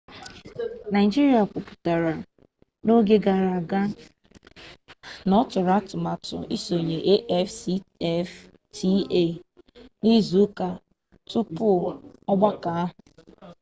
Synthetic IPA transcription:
na˨ɪ˨d͡ʒi˦ɾi˦˨a˨kʊ˨pʊ̥˨ta˨ɾa˨ | no˦ɡe˦ɡa˨ɾa˨ɡa˦ | nɔ˦tʊ˨ɾa˦tʊ˨ma˨tʊ̰˨ḭ˦so˨ɲe˨ʔe˦ʔɛ˦fsi˦ɛ˦f | tʰi˦e˦˨ | ni˦zu˨˦ka˨ | tʊ˦pʊ˦˨ɔ˦ɡ͡ba˦ka˨˦ɦʊ˨

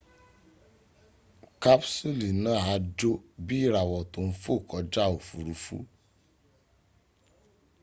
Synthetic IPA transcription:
ka˦psu˦li˨nãː˨˦˨a˨˦d͡ʒo˦bi˦i˦˨ɾa˨wɔ˨to˨˦n̩˦fo˦˨kɔ˨˦d͡ʒa˦o˨fu˨ɾu˨˦fṵ˦

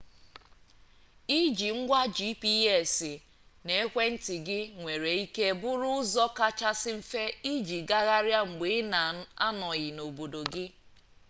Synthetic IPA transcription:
i˦d͡ʒi˨ŋ̩˦ɡʷa˦d͡ʒi˦pi˦e˨sɪ˨ | ne˦e˦kʷe˦n̩˦tɪ˨ɡɪ˦ŋʷe˨ɾe˨i˦ke˦bʊ˦ɾʊ˦ʊ˦zɔ˦ka˦t͡ʃa˦sɪ˦m̩˦fe˦i˦d͡ʒi˨ɡa˦ɣa˦ɾja˦ŋ͡m̩˨ɡ͡be˨˦na˨˦a˦nɔ˨ɣɪ˨no˨bo˨do˨ɡɪ˦

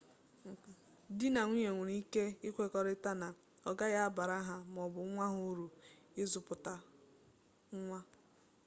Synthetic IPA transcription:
dɪ˦na˨ŋʷi˦je˨ŋʷu˨ɾi˦ke˦ɪ˦kʷe˦kɔ˨ɾɪ˦ta˦na˨ | ɔ˨ɡa˦ja˦a˦ba˨ɾa˦ɦa˦m˨ɔ˨bʊ˨˦ŋʷa˦ɦʊ˦ɾu˨ | ɪ˦zʊ˨pʊ˨ta˦ | ŋ̩˦ŋʷa˦

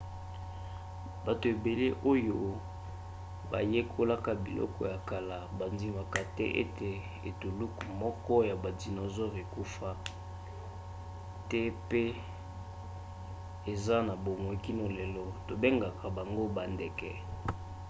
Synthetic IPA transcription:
ba˨to˨e˨be˨le˦ʔo˦jo˦ | ba̰˨je˦kʰo˦la˦ka˦bḭ˨lʔɔ̰˦kɔ̰˦ja˨ka˨la˨ba˨ndi˦ma˨ka˨tɛ̰˦ʔḛ˦te˨ | ḛ˨tu˨lu˦kmɔ˦kɔ˦ja˨ba˨di˨no˨zɔ˦ʁe˨ku˦fa˦ | tɛ˦pe˦ | e˨za˦na˨bo˨ŋo˨ki˦no˨le˨lɔ˦to˨be˦ŋɡa˨kʰa˨ba˨ŋɡo˦ba˨ndɛ˨kɛ˨

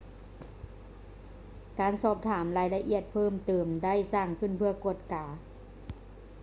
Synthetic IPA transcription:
kaː˨˩nsɔː˧˩p̚t̪ʰaː˩˦mlaː˨˧˦jla˧ʔi˧˩ət̪̚pʰɤː˥˨mt̪ɤː˨˩mda˥˩jsaː˧˥˩ŋkʰɯ˧˥˩npʰɯ˧˥˩ɐku˧˩ət̪̚kaː˨˩˦

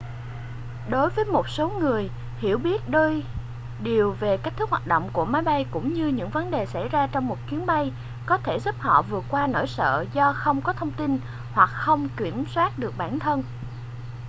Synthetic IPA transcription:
ɗo˨˦jvəː˨˦jmo˨˩t̚so˨˦ŋɨ˨˩əj | hḭ˧˩əwɓi˦˥ət̚ɗəː˧j | ɗi˨˩əwve˨˩ka˦˥k̚t̪ɨ˦˥k̚hwaː˨˩t̚ɗəo̰˧˨wŋ͡mku˧˩əmaː˨˦jɓa˧jkʊ̰˧˥ŋ͡mɲɨ˧ɲɨ̰˧˥ŋvə˨˦nɗe˨˩sa˧˩jzaː˧t͡ɕɔ˧wŋ͡mmo˨˩t̚kwi˨˦ənɓa˧j | kɔ˨˦t̪ʰe˧˩zə˦˥p̚hɔ̰˧˨vɨ˨˩ət̚kwaː˧no˧˩jsə̰ː˧˨zɔ˧xə˧wŋ͡mkɔ˨˦t̪ʰə˧wŋ͡mt̪i˧n | hwa˨˩k̚xə˧wŋ͡mki˧˩əmswaː˦˥t̚ɗɨ˨˩ək̚ɓaː˧˩nt̪ʰə˧n

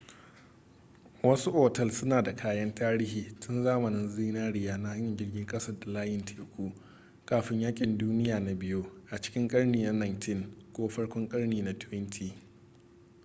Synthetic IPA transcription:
wɐ˦su˦ʔoː˨tɐ˦lsʊ˦naː˨da˨kʰaː˦jɐ˦ntaː˦ɾiː˦hiː˨tʊ˦nzaː˦mɐ˨nɪ˦nziː˦naː˦ɽɪ˦jaː˦na˦ha˦ɲjɐ˨ɲɡʲɪ˦rɡʲɪ˦ŋkʼɐ˦sɐ˦˨da˨laː˦jɪ˨ntʰeː˨kʷuː˦ | kaː˨ɸɪ˦ɲjaː˦kʲʼɪ˨nduː˦nɪ˦jaː˨na˨bɪ˦jo˦ʔa˨t͡ʃɪ̥˦kʲɪ˦ŋkʼɐ˦ɽniː˨na˦na˨ntʰɪ˦ŋkʷoː˦ɸɐ˦ɽkʷɔ˦ŋkʼɐ˦ɽniː˨na˦tʊ˦ɪ˦ntʰiː˦

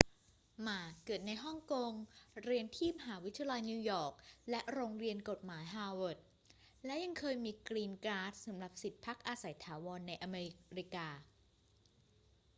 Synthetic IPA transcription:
maː˨˩kɤː˨˩ət̪̚na˧jɦɔ˥˩ŋko˧ŋɾi˧ənt̪ʰiː˥˩ma˧ɦaː˩˦wi˦˥t̪ʰːi˧a˧la˧jniː˧wjɔː˨˩k̚lɛ˦˥ʔɾoː˧ŋɾi˧ənko˨˩t̪̚maː˩˦jɦaː˧wo˨˩t̪̚ | lɛ˦˥ja˧ŋkʰɤː˧jmiː˧kɾiː˧mkɾaː˦˥t̪̚sa˩˦mɾa˨˩p̚si˨˩t̪̚pʰa˦˥k̚ʔaː˧sa˨˩˦jt̪ʰaː˩˦wɔː˧nːa˧jʔa˧meː˧iɾi˦kaː˧

